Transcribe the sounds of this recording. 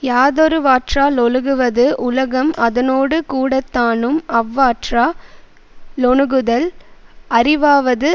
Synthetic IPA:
jaːðɔɾɯʋaːʈraːlɔlɯɣɯʋɐðɯʔʊlɐɣɐmɐðɐnoːɽɯkuːɽɐt̪ːaːnɯmɐʋːaːʈraː | lɔɳɯɣɯðɐlɐɾɪʋaːʋɐðɯ

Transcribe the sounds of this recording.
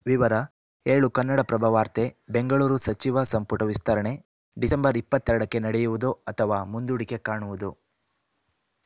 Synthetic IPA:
ʋiʋɐɾɐ | eːɭukɐnːɐɽɐpɾɐbʱɐʋaːɾt̪e̞be̞ŋɡɐɭuːɾusɐt͡ʃiʋɐsɐmpuʈɐʋist̪ʰɐɾɐɳe̞ | ɖisembɐɾipːɐt̪ːɛɾɐɽɐkːe̞nɐɽejuʋud̪uɐt̪ʰɐʋaːmund̪uɽike̞kaːɳuʋud̪u

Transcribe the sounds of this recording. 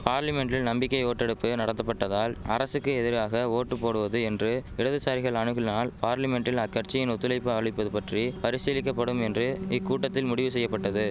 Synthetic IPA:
paːɾlɐmɛɳɖɪlnɐmbɪkːɐɪoːʈːɛɽɯpːɯnɐɽɐnɐpːɐʈːɐðaːlɐɾɐsɯkːɯɛðɪɾaːɣɐoːʈːɯpːoːɽɯʋɐðɯɛndrɯɪɽɐðɯsaːɾɪɣɐɭɐɳɯɣɪlnaːlpaːɾlɐmɛɳʈɪlɐkːɐɾt͡ʃɪjɪnɔt̪ːɯlɐɪpːɯɐɭɪpːɐðɯpɐʈripɐɾɪsɪlɪk̬ːɐpːɐɽɯmɛndrɯɪkːuːʈːɐt̪ːɪlmʊɽɪʋɯsɛjːɐpːɐʈːɐðɯ

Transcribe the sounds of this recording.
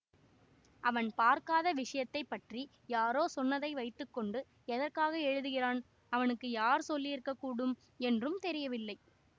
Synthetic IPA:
ʔɐʋɐnpaːɾkaːðɐʋɪʂɐjɐt̪ːɐɪpːɐʈri | jaːɾoːsɔnːɐðɐɪʋɐɪʈrɯkːɔɳɖɯ | ɛðɐrkaːɣɐɛɻɯðɯɣɪraːn | ɐʋɐnɯkːɯjaːɾsɔlːɪɪɾɯkːɐkːuːɽɯm | ɛndrɯmt̪ɛɾɪjɐʋɪlːɐɪ

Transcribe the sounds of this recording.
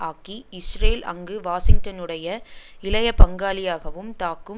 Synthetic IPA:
aːkiɪsɾeːlɐ̰ŋɡɯʋaːsɪŋɡ̚ʈɐnɯɽɐjɐɪlɐjɐpɐŋɡaːlɪjaːɣɐʋɯmt̪aːkːɯ

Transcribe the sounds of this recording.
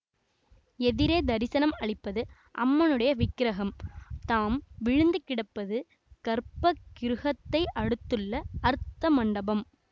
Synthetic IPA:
ɛðɪɾeːd̪ɐɾɪsɐnɐmɐɭɪpːɐðɯ | ʔɐ̰mːɐnɯɽɐjɐʋɪkːɪɾɐɣɐmt̪aːmʋɪɻɯnd̪ɯkːɪɽɐpːɐðɯ | kɐɾpːɐkɪɾɯɣɐt̪ːɐɪʔɐɽɯt̪ːɯɭːɐːɾɯt̪ːɐmɐɳɖɐbɐm

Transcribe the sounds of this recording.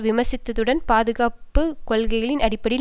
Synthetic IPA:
ʋɪmɐsɪt̪ːɐðɯɽɐnpaːðɯɣaːpːɯkɔlɣɐɪɣɐɭɪnɐɽɪpːɐɽɪ

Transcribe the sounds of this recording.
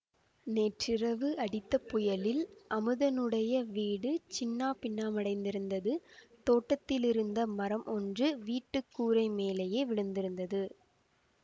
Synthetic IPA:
neːʈrɪrɐʋɯɐɽɪt̪ːɐpʊjɐlɪlʔɐmɯðɐnɯɽɐjɐʋiːɽɯt͡ʃɪnːaːpɪnːaːmɐɽɐɪnd̪ɪɾɯnd̪ɐðɯt̪oːʈːɐt̪ːɪlɪɾɯnd̪ɐmɐɾɐmʔɔndrɯʋiːʈːɯkːuːɾɐɪmeːlejeːʋɪɻɯnd̪ɪɾɯnd̪ɐðɯ

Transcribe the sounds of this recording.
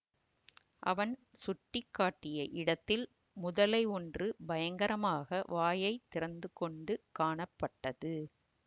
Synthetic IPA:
ʔɐ̰ʋɐnsʊʈːɪkːaːʈːɪjɐʔɪɽɐt̪ːɪl | mʊðɐlɐɪɔndrɯbɐjɐŋɡɐɾɐmaːɣɐʋaːjɐɪt̪ːɪɾɐnd̪ɯkɔɳɖɯkaːɳɐpːɐʈːɐðɯ

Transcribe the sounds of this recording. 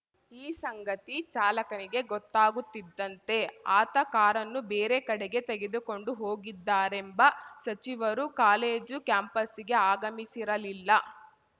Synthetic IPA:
iːsɐŋɡɐt̪it͡ʃaːlɐkɐniɡe̞ɡɔt̪ːaːɡut̪ːid̪ːɐnt̪e̞aːt̪ɐkaːɾɐnːubeːɾekɐɽeɡe̞t̪eɡe̞d̪uko̞ɳɖuɦoːɡid̪ːaːɾembɐsɐt͡ʃiʋɐɾukaːle̞ːd͡ʒukjaːmpɐsiɡe̞aːɡɐmisiɾɐlilːɐ

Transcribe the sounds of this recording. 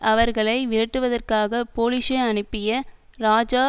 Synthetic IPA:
ʔɐʋɐɾɣɐɭɐɪʋɪɾɐʈːɯʋɐðɐrkaːɣɐpoːlɪʂɐɐɳɯpːɪjɐɾaːd͡ʒaː

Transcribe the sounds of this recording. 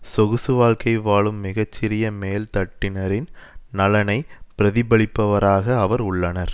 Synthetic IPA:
sɔɣɯsɯʋaːɭkɐɪʋaːɭɯmːɪɣɐt͡ʃːɪɾɪjɐmeːlt̪ɐʈːɪnɐɾɪnnɐlɐnɐɪpɪɾɐðɪbɐɭɪpːɐʋɐɾaːɣɐːʋɐɾʊɭːɐnɐɾ

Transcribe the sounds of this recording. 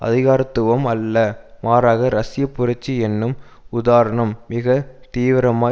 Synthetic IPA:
ɐ̰ðɪɣaːɾɐt̪ːɯʋɐmɐlːɐmaːɾaːɣɐɾɐsɪjɐpːʊɾɐt͡ʃːiɛnːɯmʊðaːɾɐɳɐmːɪɣɐt̪iːʋɪɾɐmaː

